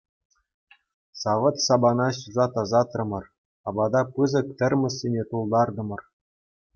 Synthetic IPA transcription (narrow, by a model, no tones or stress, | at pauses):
sɑʋɤ̆t̪sɑbɑnɑɕuzɑt̪ɑzɑt̪rɤ̆mɤ̆r | ɑbɑd̪ɑpɯzɤ̆k̚t̪ʲɘ̆rʲmʲɘ̆sʲːenʲet̪ulˠd̪ɑrd̪ɤ̆mɤ̆r